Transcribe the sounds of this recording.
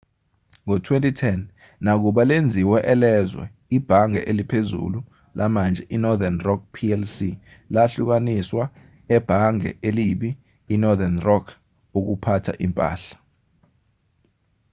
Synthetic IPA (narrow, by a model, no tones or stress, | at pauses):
ŋɔtʰwentʼitʰɛn | nak̬uɓalend͡zʱiwɛʔɛlɛzwɛ̰ | ib̥ʱaŋɛ̰ʔelipʰezṵlu | lʔamand͡ʒʱɛʔinɔdanrɔk̚pʰiɛlsi | laɬuk̬aniswa | ɛb̥ʱaŋɛ̰ʔeliɓiː | nɔðanrɔkʰ | uk̬upʰatʰa̰ʔimpʼa̰ːɬḁ